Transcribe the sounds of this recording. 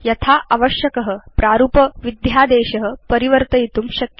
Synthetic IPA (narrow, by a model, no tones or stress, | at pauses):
jɐt̪ʰaʔaʋəɕjɐkəɦə̆pɾaɾuːpəʋid̪jad̪eːɕɐɦə̆pəɾiʋəɾt̪əjit̪uːmɕɐkj